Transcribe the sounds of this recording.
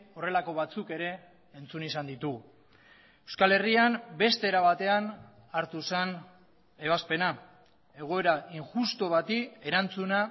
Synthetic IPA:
o̞re̞lako̞βat͡suke̞ɾe̞ː | nt͡sunisand̪it̪uɣ | ewskale̞riambe̞st̪e̞ːɾaβat̪e̞an | aɾt̪usen | e̞β̞aspe̞na | e̞ɣ̞o̞e̞ɾaiŋʝust̪o̞βat̪ie̞ɾant͡suna

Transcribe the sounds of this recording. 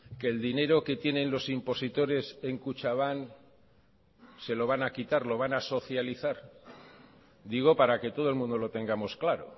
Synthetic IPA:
ke̞ːld̪ine̞ɾo̞ke̞t̪je̞nẽ̞nlo̞simpo̞sit̪o̞ɾe̞se̞ŋkut͡ʃaβ̞an | se̞lo̞β̞anakit̪aɾlo̞β̞anaso̞θjaliθaɾ | d̪iɣ̞o̞paɾake̞t̪o̞ð̞oe̞lmũnd̪o̞lo̞t̪e̞ŋɡamo̞sklaɾo̞

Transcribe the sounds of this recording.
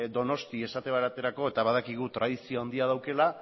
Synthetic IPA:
d̪o̞no̞st̪ie̞sat̪e̞βaɾat̪e̞ɾako̞e̞t̪aβað̞akiɣ̞ut̪ɾʔaðisio̞and̪iað̞awke̞la

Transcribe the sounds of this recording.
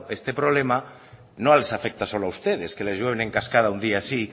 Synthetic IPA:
est̪epɾoβlema | nõalesafek̚t̪asoloawst̪eð̞eskelezʝweβ̞enẽŋkaskað̞aund̪iaːsi

